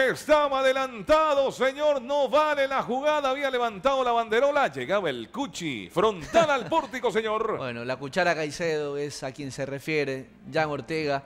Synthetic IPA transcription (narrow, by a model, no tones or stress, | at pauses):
est̪aβaðelant̪aðo̞seɲo̞ɾnoβalelaxuɣaðaːβiale̞βant̪aðolaβand̪e̞ɾo̞laʝe̞ɣaβaelkut͡ʃḭfɾo̞nt̪alalpoɾt̪iko̞s̬eɲo̞ɾbwḛnolakut͡ʃaɾakajseðoe̞sakje̞nse̞refje̞ɾe | d͡ʒaŋo̞ɾt̪eɣa